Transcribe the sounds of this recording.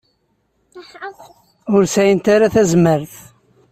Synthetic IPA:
ʊɾsæjənt̪aɾaθæzməɾθ

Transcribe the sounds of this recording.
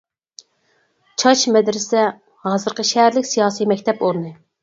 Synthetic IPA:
t͡ʃʰɑʃmɛd̪ɾɪsɛ | hɑːzɨɾqəʃɛɦæɾlɪkʲsijɑːsijmɛkʲt̪ʰɛpoɾnɨ

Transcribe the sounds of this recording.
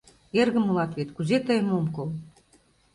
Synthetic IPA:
erɣə̆mulɑt̪βet̪kuzet̪əjəmomkol

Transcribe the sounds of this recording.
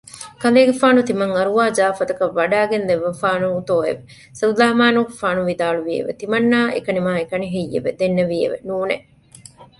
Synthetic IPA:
kɐleːɡefaːnut̪imɐŋɐɾuʋaːd͡ʒaːfɐt̪ɐkɐʋːɐɖæːɡenleʋːɐfaːnut̪oːḛʋe | sɐllaːmaːnuːkefaːnuʋid̪aːluʋiḛʋḛt̪imɐnːaːʔḛkɐnimaːekɐniɦijːḛʋed̪enːeʋiḛʋḛnuːnḛ

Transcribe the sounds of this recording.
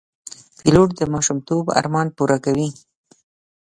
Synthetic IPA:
piloʈd̪əmɑʃumt̪oba̰ɾmɑnpuɾakawi

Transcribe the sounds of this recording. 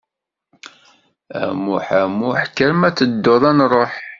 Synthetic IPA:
æ̰mʊħæmʊħkːəɾmæt͡sːəd̪ːoðˤænrˤoħ

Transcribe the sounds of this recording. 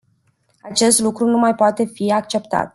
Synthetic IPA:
at͡ʃe̞st̪lukɾunumajpoat̪e̞fiakt͡ʃe̞pt̪a̰t̪̚

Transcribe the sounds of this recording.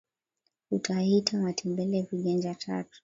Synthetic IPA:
utʰahitʰamatʰɛmbɛlɛviɠɛnd͡ʒatʰa̰tu̥

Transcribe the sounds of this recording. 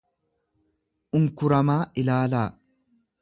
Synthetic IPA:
ʔʊŋkʊɾɐmaːʔɪlaːlaː

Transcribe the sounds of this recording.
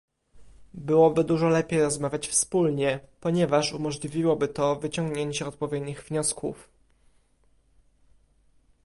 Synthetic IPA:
bɘwɔbɘd̪uʐɔlɛpʲjejɾɔzmavʲat͡ɕfspulɲɛpɔɲɛvaʂumɔʐlʲivʲiwɔbɘt̪ɔvɘt͡ɕɔŋɡɲeɲt͡ɕɛɔt̪̚pɔvʲjɛd̪ɲiɣvɲɔskṵf

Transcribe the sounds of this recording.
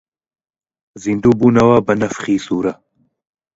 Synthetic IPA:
zind̪uːbuːnɐwaːbɐnɐfχiːsuːɾɐ

